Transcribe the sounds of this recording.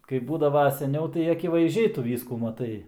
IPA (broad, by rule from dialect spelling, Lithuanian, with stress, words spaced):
kɐɪp ˈbuːdɐʋɐ sʲɛˈnʲɛʊ tɐɪ ɐkʲɪʋɐɪzʲˈd͡ʒʲɛɪ ˈtʊ ˈʋʲiːskuː mɐˈtɐɪ